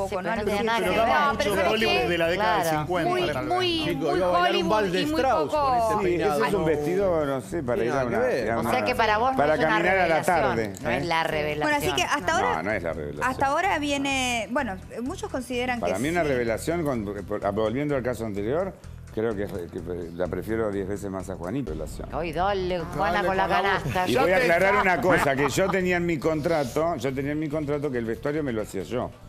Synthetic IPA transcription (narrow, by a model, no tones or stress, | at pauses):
pokkonõluɾoðaomuooliuðelaðekaðaðesiŋkwenmuj | mujiujaoalimald̪emuɾawososiesesumbest̪iðonosepaɾaiɾaunnaeaunseakepaɾaβospaɾakamĩnaɾalat̪aɾðensareβelawenoajsikeʔast̪aoɾa̰nõesla̰rḛβḛla̰asjt̪aoɾaβje̞nebwe̞no | mut͡ʃohko̞nsiðeɾaŋkpaɾa̰mĩunareβelasjo̞ŋkonpβolβjend̪oalkasoant̪e̞ɾjo̞ɾ | kɾeo̞keekepla̰pɾefje̞ɾoðjezβesesmasaxwa̰niβḛla̰sjo̰nojðolewaoaanaaiβojaklaɾaɾunakosakeʒot̪eniamiko̞nt̪ɾat̪oʒot̪̬enianmiko̞nt̪ɾat̪̬okeːlβe̞ht̪waɾjomeloasiaʒo